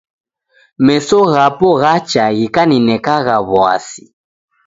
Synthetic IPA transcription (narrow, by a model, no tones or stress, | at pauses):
mɛsɔɣapɔɣat͡ʃaɣikaninɛkaɣaβwa̰si̥